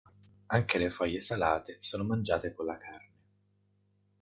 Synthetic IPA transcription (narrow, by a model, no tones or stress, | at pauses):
aŋkelefɔjːesalaːt̪esoːnomand͡ʒaːt̪ekonlakʰarne